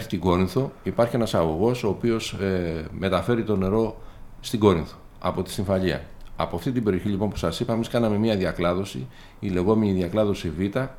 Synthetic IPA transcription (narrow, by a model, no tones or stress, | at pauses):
eçi̥t̪iɡo̞ɾinθo̞ipɐɾçie̞nɐsɐɣo̞ɣo̞so̞ːpio̞sme̞t̪ɐfe̞ɾit̪o̞ne̞ɾo̞ | st̪iɡo̞ɾinθo̥ | ɐ̰po̞t̪i̥siɱfɐʎiɐ̰ɐ̰poɐft̪it̪ibe̞ɾioçiʎipo̞npu̥sɐsipɐemiskɐnɐme̞miɐðiɐklɐðo̞si | ile̞ɣo̞me̞niðiɐklɐðo̞sivit̪ɐ